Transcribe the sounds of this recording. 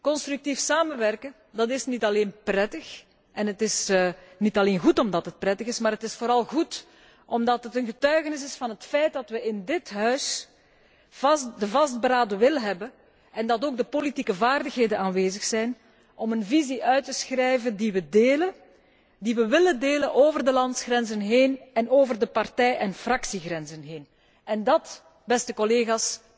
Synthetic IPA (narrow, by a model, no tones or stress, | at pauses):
kɔnst̪rʉk̚tifsaːmənʋɛrkə | dɑtɪsnitɑleːnprɛtəx | ʔɛnɦətɪsnitɑleːnɣutɔmdɑtɦət̚prɛtəɣɪsmaːɾɦətɪsfoːɾɑlˠɣut | ʔɔmdɑtɦətənɣətœɥɣənɪs̬ɪsfɑnɦətfɛjt̚dɑtʋəʔɪndɪtɦœɥs | vɑsdəvɑst̚bəɾaːdəʋɪlˠɦɛbə | ɛndɑtoːɡ̚dəpolitikəvaːrdəxɦeːdənaːnʋeːzəxsɛjn | ʔɔmənviziʔœɥtəsxrɛjvəndiʋədeːlə | diʋəʋɪlədeːlənʔoːvərdəlɑntsxrɛnzənɦeːnɛnoːvərdəpɑrtɛjɛnfrɑksiɣrɛnzənɦeːn | ɛndɑt | bɛstəkɔleːɣas